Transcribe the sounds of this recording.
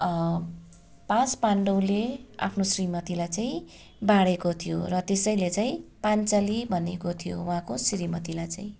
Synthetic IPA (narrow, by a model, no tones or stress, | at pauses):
pãspaɳɖʌwlea̰pʰnosrimʌt̪ilajt͡saĩ | baɽekot̪ʰijo̰rʌt̪esʌjlet͡saĩpant͡sʌlibʱʌnekot̪ʰijo̰wuɦãkosɾimʌt̪ilajt͡saĩ